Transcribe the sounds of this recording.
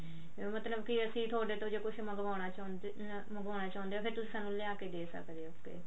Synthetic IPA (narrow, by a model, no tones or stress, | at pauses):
mət̪ləbkiəsĩːt̪ʰoːɖeːt̪õd͡ʒeːkʊʃʰməɡʋaːnaːt͡ʃː | məɡaːnaːt͡ʃaːnd̪eaːpʰɪɾt̪ʊsiːsaːnũːlɪjãːkeːd̪eːsə̰kd̪eːʊkːḛː